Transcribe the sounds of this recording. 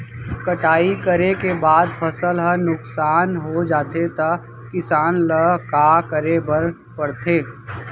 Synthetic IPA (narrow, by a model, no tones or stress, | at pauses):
kəʈaːikəɾekebaːd̪pʰəsəlɦənʊksaːnɦod͡ʒaːt̪et̪ɐ | kɪsaːnləkaːkəɾebəɾ | pɐɽt̪ʰeː